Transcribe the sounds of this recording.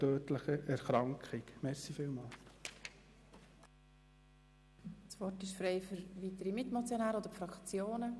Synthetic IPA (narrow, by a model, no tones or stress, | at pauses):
tøːtləχəʔɛɾχɾɑŋkχikmɛɾsifɪlmɑːl | sʋɔrtɪʃfɾeɪfʏɾvit̪əɾimɪtmot͡sjonæːɾəod̪əɾfɾɑkt͡sjoːnə